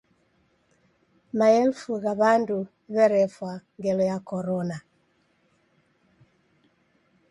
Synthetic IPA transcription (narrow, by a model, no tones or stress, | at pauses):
maɛlfuɣaβandu | βɛɾɛfwaŋɡɛlɔjakɔɾɔna